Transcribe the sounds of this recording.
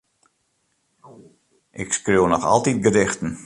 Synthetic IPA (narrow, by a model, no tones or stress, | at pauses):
ʔɪkskrownɔxɔ̰lˠtit̚ɡədɪxtən̩